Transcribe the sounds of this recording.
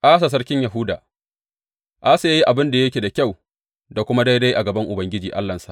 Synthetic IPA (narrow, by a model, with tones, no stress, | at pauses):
ʔa˦s̬a˨s̬ɐ˦rkʲɪ˦ɲja˨ɦʊ˦daː˨ | ʔa˦sa˨ja˦ji˦ʔa˨bɪ˦nda˨jɐ˦kʲeː˨da˨kʲa˦˨w | da˨kʷʊ˦ma˦da˦jda˦jʔa˨ɡɐ˨bɐ˦ŋʔʊ˨bɐ˨ŋɡʲɪ˦d͡ʒiː˨ʔa̰˦lːɐ˨nsa˦˨